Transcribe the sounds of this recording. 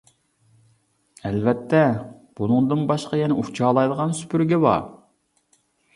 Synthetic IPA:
ɛlvɛt̪ʰːɛb̥unɨŋd̪ɨnbɑʃqɑjɛnɪut͡ʃʰɑːlˠɑjd̪əʁɑnsy̥pʰyɾɡʲɛbɑ̰

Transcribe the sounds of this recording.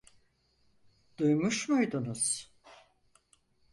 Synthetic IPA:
d̪̥ujmuʃmujd̪unuz̥

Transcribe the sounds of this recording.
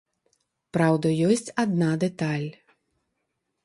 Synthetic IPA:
pɾawd̪ɐjɔsʲt͡sʲad̪̚nad̪ɛt̪alʲ

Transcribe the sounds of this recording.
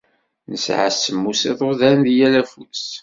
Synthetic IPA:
nəsʕa̰səmːuseðˤoðænðjælæfus

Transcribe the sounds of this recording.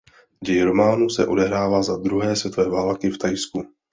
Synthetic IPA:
ɟɛjɪɾo̞maːnusɛ̰ʔo̞dɛɦɾaːvaːzad̪ɾuɦɛːsvjɛt̪o̞vɛːvaːlkɪft̪ajsku

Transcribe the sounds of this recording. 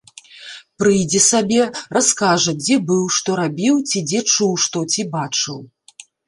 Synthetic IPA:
pɾɨjd͡zʲɛsabʲɛraskaʐɐd͡zʲɛbɨwʂt̪ɔɾabʲiwt͡sʲid͡zʲɛt͡ʂuwʂt̪ɔt͡sʲibat͡ʂɨw

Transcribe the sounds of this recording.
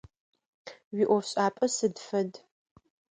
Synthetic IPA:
wiʔʷɔɕʼaːpʼɐsɨdfɐd

